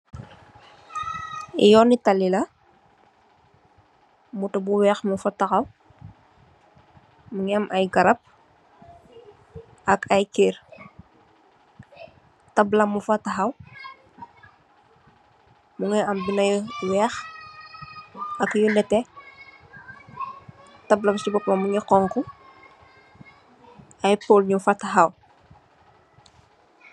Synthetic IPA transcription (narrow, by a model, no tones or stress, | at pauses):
ḭjɔːnitɐlilɐ | mutubuwɛːxmufɐtɐxɐw | muŋɛmʔɐjɡɐɾɐp̚ | ɐkʰɐjker | tɐblɐmufɐtɐxɐw | muŋɛɐmbinɐjwɛːx | ɐkjulɛtɛ | tɐblɐmsibɔpmɐmuŋɛqɔŋku | ɐjpoːlɲumfatɐɦaw